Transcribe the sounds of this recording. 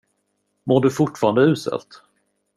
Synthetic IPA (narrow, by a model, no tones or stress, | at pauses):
moːɖɵfʊʈfɑːɾand̪əʉ̟ːsɛ̰lt̪